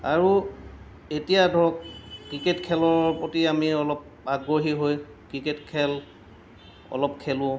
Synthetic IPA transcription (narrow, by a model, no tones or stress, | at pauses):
aɹu | etijadʱɔɔkkːɹiketkʰɛlɔɹpotiamiɔlɔp̚ | aɡɹoɦiɦoj | kɹiketkʰɛl | ɔ̰lɔp̚kʰɛlʊ̃